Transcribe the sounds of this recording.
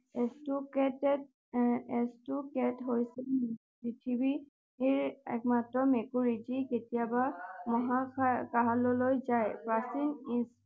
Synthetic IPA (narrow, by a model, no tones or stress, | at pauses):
estukɛtɛt | ɛstukɛtɦojsɛpɹitʰibi | eɹɛ̰k̚matɹɔmekuɹid͡ʒiketijabamɔɦakaɦalɔlojzajpɹasinis